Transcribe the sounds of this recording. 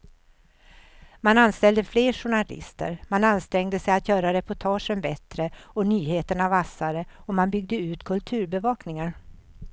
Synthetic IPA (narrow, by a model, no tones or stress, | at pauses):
mananst̪ɛld̪əfleːʂʊɳalɪ̰st̪ə̰ɾmananst̪ɾɛŋd̪əsɛjat̪jœːɾaɾɛpʊʈʰɑːʂənbɛt̪ɾəɔnyːheːt̪əɳavasːaɾəɔmanbʏɡ̚d̪əʉ̟ːt̪kʰɵlt̪ʰʉ̟ːɾbɛvɑːknɪŋaɾ